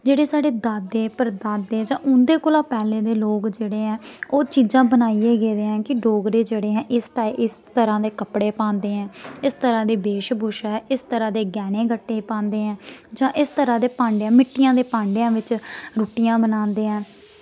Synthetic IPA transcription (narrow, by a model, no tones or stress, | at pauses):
d͡ʒeːɽeːsaːɖeːd̪aːd̪eːpəɾd̪aːd̪ːeːd͡ʒãːʔʊ̃nd̪eːkʊlãːpɛːleːd̪eːloːkd͡ʒeːɽeːɦɛ̃ːoːt͡ʃiːzãːbənaːieːɡeːd̪eːɦɛ̃ːkɪɖoːɡɾeːd͡ʒeːɽeːɦɛ̃ːʔɪsʈaːiʔɪst̪əɾãːd̪eːkəpɽeːpãːnd̪eːɦɛ̃ːɪst̪əɾãːd̪eːbeːʃbʊʃɛːʔɪst̪əɾãːd̪eːɡɛːnẽːɡəʈːeːpãːnd̪eːɦɛ̃ːd͡ʒãːʔɪst̪əɾãːd̪eːpãːɳɖãːmɪʈːɪjãːd̪eːpãːɳɖejãːʋɪt͡ʃɾuːʈijãːbənaːnd̪eːɦɛ̃ː